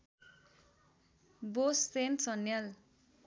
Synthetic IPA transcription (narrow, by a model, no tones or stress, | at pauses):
bosːensʌnjal